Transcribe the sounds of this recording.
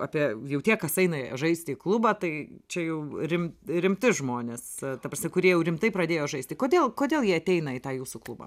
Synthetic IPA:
ɑːpʲiɛjɛʊt̪ʲiɛkɐsɐɪnɐʒɐɪsʲt̪ʲɪiːklˠʊbɐːt̪ɐɪt͡ʃʲɛjɛʊɾʲɪmɾʲɪmʲt̪ʲɪʒmoːnʲeːst̪ɐpɾrɐsʲmʲɪkʊɾʲiɛjɛʊɾʲɪmt̪ɐɪpɾɐd̪ʲeːjoːʒɐɪsʲt̪ʲɪkoːd̪ʲeːlˠkoːd̪ʲeːlˠjiɛɐt̪ʲɛɪnɐɪt̪ɑːjuːsuklˠʊbɑ̰ː

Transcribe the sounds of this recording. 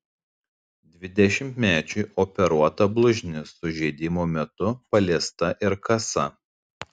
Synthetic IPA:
d̪ʲʋʲɪd̪ʲɛʃʲɪmt̪mʲæːt͡ʃʲʊɪʔoːpʲɛɾuɔt̪ɐblˠʊʒʲnʲɪsʊʒʲɛɪd̪ʲɪmoːmʲɛt̪ʊpɐlʲiɛst̪ɐʔɪɾkɐsɐ

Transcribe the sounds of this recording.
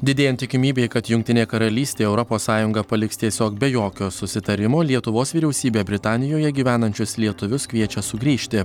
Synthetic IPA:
d̪ʲɪd̪ʲeːjɛnt̪ʲɪkʲɪmʲiːbʲeːkɐt̪jʊŋʲkt̪ʲɪnʲeːkɐɾɐlʲiːsʲt̪ʲeːɛʊɾɔpoːssɑːjʊŋɡɐpɐlʲɪkst̪ʲiɛsʲoːkbʲɛjoːkʲoːsʊsʲɪt̪ɐɾʲɪmoːlʲiɛt̪ʊʋoːsʋʲiːɾʲɛʊsʲiːbʲeːbʲɾʲɪt̪ɑːnʲɪjoːjɛɡʲiːʋʲæːnɐnʲt͡ʃʲʊslʲiɛt̪ʊʋʲʊskʋʲiɛt͡ʃʲɛsʊɡɾʲiːʃʲt̪ʲɪ

